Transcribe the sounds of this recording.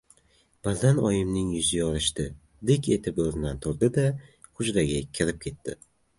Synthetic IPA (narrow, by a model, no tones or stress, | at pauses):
b̥azanɒjɪmnɪŋjʊzɪjɒɾɪʃt̪ɪ | d̪ekʲe̞t̪ʰɪpozɪnd̪ant̪ʰʊɾd̪ɪd̪a | χʊd͡ʒɾaɡʲakʲʰɪɾɪp̚kʲʰe̞t̪ʰːɪ